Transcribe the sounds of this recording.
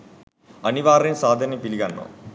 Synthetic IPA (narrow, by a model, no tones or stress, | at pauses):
ɐniʋaːɾimsaːd̪ʱɐnimpiliɡɐnːo̰